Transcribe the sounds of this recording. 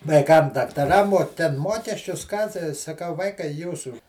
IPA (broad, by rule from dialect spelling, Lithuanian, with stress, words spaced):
ʋɐɪˈkɐm dɐktɐˈrɐm oː ˈtʲɛn ˈmuɔkʲɛsʲt͡ʃʲʊs ˈkɑː tɐɪ sɐˈkɐʊ ˈʋɐɪkɐɪ ˈjuːsuː